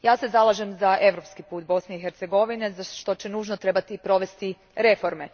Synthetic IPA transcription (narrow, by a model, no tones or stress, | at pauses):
jaːse̞zalˠaʒe̞mzaʔe̞ʋɾo̞pskipuːt̪̚bo̞sne̞ixeɾt̪seɡo̞ʋine̞zaʃt̪o̞t͡ɕe̞nuːʒnot̪ɾe̞bat̪ipɾo̞ʋe̞st̪i | ɾe̞fo̞ɾme̞